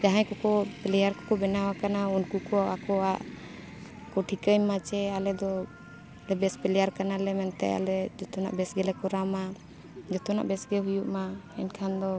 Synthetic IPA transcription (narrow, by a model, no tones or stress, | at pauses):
d͡ʒaɦãjkɔkɔpɛlɛjaɾkɔkɔbɛnawakanaunkukɔakɔaʔ | kɔʈʰikəjmːat͡ʃɛalɛd̪ɔ | lɛbɛspɛlɛjaɾkanalɛmɛnt̪ɛ̰a̰lɛd͡ʒɔt̪ɔna̰ʔbɛsɡɛlɛkɔɾama | d͡ʒɔt̪ɔna̰ʔbɛsɡɛɦujuʔmaɛnkʰand̪ɔ